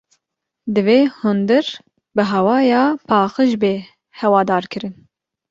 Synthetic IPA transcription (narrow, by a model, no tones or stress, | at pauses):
d̪ɨveːhund̪ɨɾ | bɨɦɛwɑːjɑːpʰɑːxɨʒbeː | hɛwɑːd̪ɑːɾkʰɨɾɨn